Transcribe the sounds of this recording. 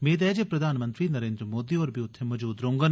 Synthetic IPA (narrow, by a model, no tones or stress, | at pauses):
meːt̪ɛːd͡ʒepɾɐd̪ʱaːnmə̃nt̪ɾinɐɾẽːnd̪ɾəmoːd̪iɔːɾbiʊt̪ʰːemɐd͡ʒuːd̪ɾõːŋɡən